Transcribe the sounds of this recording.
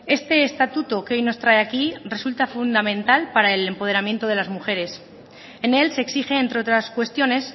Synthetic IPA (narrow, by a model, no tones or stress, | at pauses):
e̞st̪e̞ːst̪at̪ut̪oke̞ojno̞st̪ɾae̞akire̞sult̪afund̪amẽ̞nt̪alpaɾaele̞mpo̞ð̞e̞ɾamje̞nt̪oð̞e̞lazmuxe̞ɾe̞s | ene̞lse̞ːksixe̞ːnt̪ɾeo̞t̪ɾaskwe̞st̪jo̞ne̞s